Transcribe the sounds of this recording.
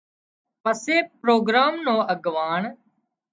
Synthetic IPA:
pəseːpɾoːɡɾaːmnõːʔəɡʋaːɳ

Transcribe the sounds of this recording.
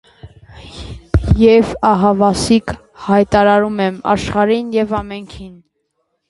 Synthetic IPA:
jɛvɑɦɑvɑsik | hɑjt̪ɑɾɑɾumɛmɑ̰ʃχɑɾinjɛvɑmɛŋkʰin

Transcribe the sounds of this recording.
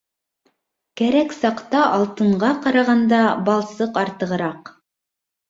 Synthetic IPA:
kæɾæksɑqt̪ɑʔɑlˠt̪ɤ̆ɴɢɑqɑɾɑʁɑnd̪ɑbɑlˠsɤqɑɾt̪ɤ̆ʁɤ̆ɾɑq

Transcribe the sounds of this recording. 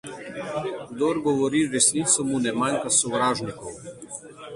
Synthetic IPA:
ɡd̪ɔɾɡɔʋɔɾiɾɛsniːt̪sɔmunɛmajŋkasɔʋɾaːʒnikɔw

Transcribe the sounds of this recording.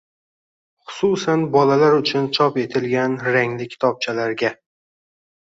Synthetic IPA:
χʊ̥susanbɒlalaɾʊt͡ʃʰʊnt͡ʃʰɒpe̞t̪ʰɪlɡʲanɾaŋlɪkʲʰɪ̥t̪ʰɒb̚t͡ʃʰalaɾɡʲa

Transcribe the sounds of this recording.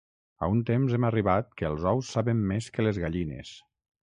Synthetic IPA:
a̰unt̪emzɛməriβat̪̚kəːlˠzɔwsːaβəmːeskəlezɣaʎinḛs

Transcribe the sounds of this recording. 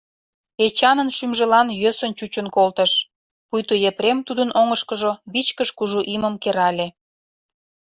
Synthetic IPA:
et͡ɕɑnənʃymʒelɑnjøsənt͡ɕut͡ɕənkolt̪əʃ | pujt̪ujepɾemt̪ud̪ənʔoŋəʃkəʒoβit͡ɕkəʃkuʒuʔiməmkeɾɑlʲe

